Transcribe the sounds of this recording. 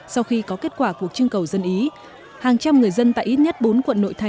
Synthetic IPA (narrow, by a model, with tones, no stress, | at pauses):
sa˧wxi˧kɔ˨˦ke˦˥t̚kwaː˧˩ku˨˩ək̚t͡ɕɨ˧əŋkə˨˩wzə˧nʔi˨˦ | haː˨˩ŋt͡ɕa˧mŋɨ˨˩əjzə˧nt̪a̰ː˧˨ʔi˦˥t̚ɲə˦˥t̚ɓo˨˦nkwə̰˧˨nːo̰˧˨jt̪ʰa˨˩